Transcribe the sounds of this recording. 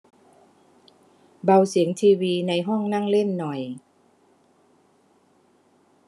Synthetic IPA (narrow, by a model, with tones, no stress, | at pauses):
ba˧wsi˨˩˦ŋt̪ʰiː˧wiː˧na˧jɦɔ˥˩ŋna˥˩˨ŋle˥˩nːɔ˨˩j